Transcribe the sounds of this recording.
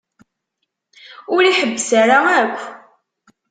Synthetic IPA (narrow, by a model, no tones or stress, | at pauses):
ʊɾiħəbːəsaɾaækʷː